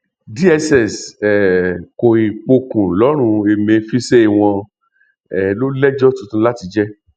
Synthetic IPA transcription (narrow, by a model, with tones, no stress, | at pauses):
di˦ɛ˧sɛ˨sɛ˨ko˨i˨k͡po˧kũ˨lɔ˨˦ɾ̃ũ˧e˧mẽ˧˦fi˦se˦i˦˨w̃ɔ̃˧ | ɛ˨lo˦lɛ˦d͡ʒɔ˦tũ˧˦tũ˧˦la˦ti˧d͡ʒɛ˦